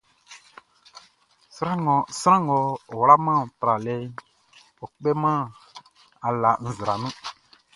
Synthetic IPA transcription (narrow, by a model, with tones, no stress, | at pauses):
sɾã˦ŋɔ̃˨sɾã˦ŋɔ˨o˨wɾa˦mã˦˨tɾa˨le˦ | o˨k͡pe˦mã˦˨ | a˨la˨n̩˨zɾa˨nũ˦